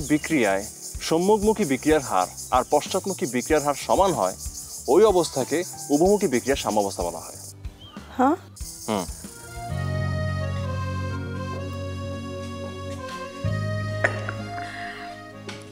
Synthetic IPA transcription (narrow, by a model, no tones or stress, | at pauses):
bikɾijaeʃomːuɡmukibikɾijaɾɦa̰ɾaɾpɔʃt͡ɕat̪mukʰibikɾijaɾɦaɾʃɔmanɦɔeojɔbost̪ʰakeubomukibikɾijaɾʃamɔbost̪ʰabɔla̰ɦɔ̰e | hã | h